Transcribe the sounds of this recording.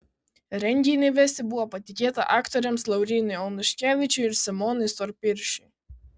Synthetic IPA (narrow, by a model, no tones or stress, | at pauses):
ɾʲɛnʲɡʲiːnʲɛʋʲɛsʲɪbuɔpɐt̪ʲɪkʲeːt̪ɐ̰ʔɑːkt̪ɔɾʲɛmslˠɐʊɾʲiːnʲɐjɔnʊʃʲkʲæːʋʲɪt͡ʃʲʊɪɾsʲɪmɔːnɨjsɔɾpʲɪɾʲʃʲɪ